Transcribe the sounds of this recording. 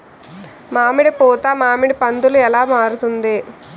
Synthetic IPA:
maːmiɽipuːt̪aːmaːmiɽipɐnd̪uluɛlaːmaːɾut̪und̪i

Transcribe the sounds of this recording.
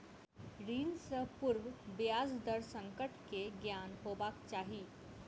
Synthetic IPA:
ɾiːnsəpuɾʋbjad͡zd̪əɾsəŋkəʈkeɡjanɦobakt͡ɕaɦiː

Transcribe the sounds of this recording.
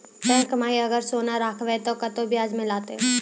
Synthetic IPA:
p̪ɛːkmaːiɐɡəɾsoːnaɾaːkʰʋet̪okɐt̪obɪjaːd͡ʒmɪ̃laːt̪eɦ

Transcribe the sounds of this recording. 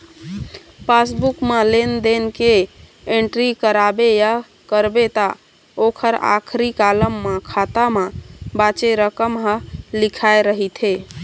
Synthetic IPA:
pasbukmelend̪enke | eɳʈɾikəɾabeja | kəɾbet̪a | okʰəɾa̰kʰɾikaləmːekʰat̪amebat͡ʃeɾəkəmɦəlikʰaeɾəɦit̪ʰe

